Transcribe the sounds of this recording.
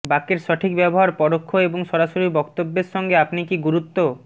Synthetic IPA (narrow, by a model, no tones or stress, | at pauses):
bakeɾʃɔʈʰikbɛboɦaɾpɔɖokʰːoeboŋʃɔɾaʃoɾibɔkt̪obːeɾʃɔŋɡeapnikiɡuɾut̪ːo